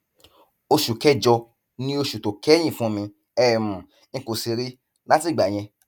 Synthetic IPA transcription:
o˧ʃu˨kɛ˦d͡ʒɔ˧ | nĩ˦o˧ʃu˨to˨kɛ˦j̃ĩ˦˨fũ˦mĩ˧ | ɛ˦˨mũ˨ | nĩ˧ko˨si˧ɾi˦ | la˦ti˦˨ɡ͡ba˨j̃ɛ̃˧

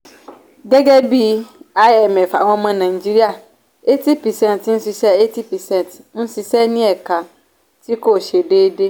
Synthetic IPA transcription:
ɡɛ˦ɡɛ˦bi˦a˦ɛ˦˨mɛ˨fa̰˨w̃ɔ̃˧mã˧nã˨i˨d͡ʒi˦ɾi˦a˦˨ | e˦ti˦pi˨sɛ̃˦˨n˨ti˦ñ̩˦si˧sɛ˦e˦ti˦pi˨sɛ̃˦n˨t | n̩˦si˧sɛ˦nĩ˦ɛ˦˨ka˨ | ti˦ko˦˨ʃe˨deː˦de˦

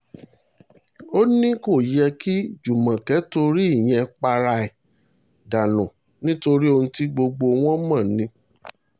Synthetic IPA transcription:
o˦nĩ˦ko˦˨jɛ˧ki˦d͡ʒu˨mã˨kɛ˨˦to˧ɾi˦i˦˨j̃ɛ̃˧k͡pa˧ɾa˧ɛ˨ | da˨nũ˨ | nĩ˦to˧ɾi˦o˧ũ˧ti˦ɡ͡bo˧ɡ͡bo˧w̃ɔ̃˦mã˦˨nĩ˧˦

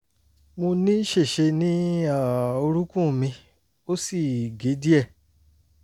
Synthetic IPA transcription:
mo˧nĩ˦ʃe˦˨ʃe˧nĩ˦a˨˦˨o˧ɾũ˦kũ˦˨mĩ˧ | o˦si˦˨ɡe˨˦di˦ɛ˦˨

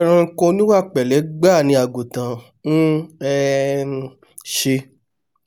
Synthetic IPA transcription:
ɾ̃ã˧ŋ̩˦ko˧nĩ˦wa˦˨k͡pɛ˨lɛ˨˦ɡ͡ba˦˨nĩ˧˦a˨ɡo˨tã˨ | nũ˦ɛ˧ | ʃe˧

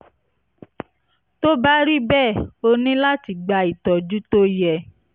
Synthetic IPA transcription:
to˦ba˦ɾi˦bɛ˦˨o˧nĩ˦la˦ti˨ɡ͡ba˨˧i˨tɔ˨d͡ʒu˦to˦jɛ˦˨

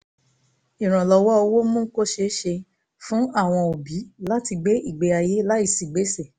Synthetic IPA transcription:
i˨ɾ̃ã˨lɔ˨˧wɔ˦o˧wo˦mũ˦ko˦ʃe˧˦ʃe˧ | fũ˦a˦˨w̃ɔ̃˧o˨bi˨˦la˦ti˧ɡ͡be˦i˦˨ɡ͡be˧a˧je˦la˦i˦˨si˨ɡ͡be˨˦se˦˨

